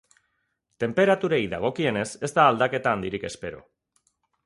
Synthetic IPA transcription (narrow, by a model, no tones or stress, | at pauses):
t̪e̞mpe̞ɾat̪uɾejða̰ɣ̞o̞kie̞ne̞se̞zt̪aːld̪ake̞t̪aːnd̪iɾike̞spe̞ɾo̞̰